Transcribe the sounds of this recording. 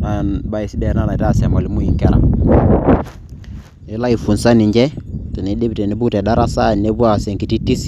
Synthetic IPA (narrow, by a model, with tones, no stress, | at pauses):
na˨nba˦i˨si˦dɛ˦˨na˦na˨ta˦˨se˨ma˨li˦mu˦i˨ŋkɛ˦ɾa̰˨ | e˦la˦i˨fu˨nsa˦ni˨ɲd͡ʒɛ˦te˨ni˨˦di˦bte˨ne˦bu˦kte˨da˦ɾa˦sa˦˨ne˦bu˦a˨se˨ŋki˨ti˦ti˦s